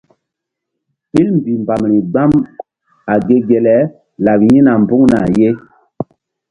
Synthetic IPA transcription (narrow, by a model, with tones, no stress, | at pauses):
ɓi˦lm˨bi˨mba˨mɾi˨ɡ͡ba˦m | a˨ɡe˦ɡe˨lɛ˦ | la˨pji˦na˨mbu˦ŋna˨je˦